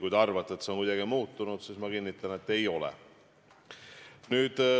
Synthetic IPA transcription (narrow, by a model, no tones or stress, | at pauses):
kujd̪ɑrvɑt̪ːˑet̪seo̞nkujd̪̥ɑɡimuːt̪ːˑunud̪̥sismɑkinːit̪ːˑɑne̞t̪ːe̞jo̞lɛ̰ | nyːd̪̥